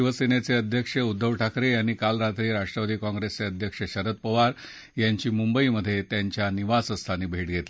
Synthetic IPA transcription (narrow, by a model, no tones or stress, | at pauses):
iʋəsinet͡seəd̪ʱjəkʂəud̪ʱːəʋʈʰakɾejañiːkalɾat̪ɾiːɾaʂʈɾəʋad̪iːkɔ̃ŋɡɾest͡seəd̪ʱjəkʂəɕəɾət̪̚pəʋaɾ | jaɲt͡ɕiːmumbəiməd̪ʱːjet̪jaɲt͡ɕjaniʋasəst̪ʰaniːbʱeʈɡʱet̪la